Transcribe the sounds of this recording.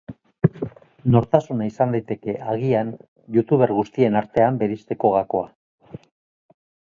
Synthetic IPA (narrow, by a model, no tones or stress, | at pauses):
no̞ɾt̪asunaisand̪ajt̪e̞ke̞ʔaɣian | jut̪uβe̞ɾɣust̪ie̞naɾt̪e̞ambe̞ɾist̪e̞ko̞ɣako̞a